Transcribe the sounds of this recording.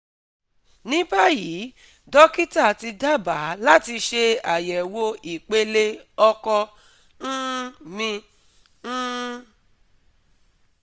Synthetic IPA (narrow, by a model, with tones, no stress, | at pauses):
nĩ˦ba˦˨jiː˨˦ | dɔ˦ki˦ta˦˨ti˧da˦ba˨˦la˦ti˧ʃe˧a˨jɛ˨wo˧i˨k͡pe˧le˧ɔ˧kɔ˧ | n̩˦mĩ˧˦